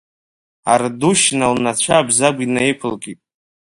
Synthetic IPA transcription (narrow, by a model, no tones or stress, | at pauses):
a̰rduʃnalnat͡ɕʷʰaːbzaɡʷinajpʷʰɨlɡʼitʼ